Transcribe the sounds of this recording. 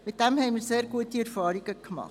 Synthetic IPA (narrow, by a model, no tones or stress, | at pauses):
mɪt̚d̥æmhɛɪnmərseːrɡuətiærfɑːɾiɡəkmɑ̰